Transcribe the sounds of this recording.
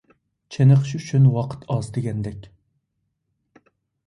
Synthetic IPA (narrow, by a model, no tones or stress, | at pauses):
t͡ʃʰenəχʃyt͡ʃʰynwɑqʰə̥t̪ʰɑzd̪eɡʲɛnd̪ɛkʲ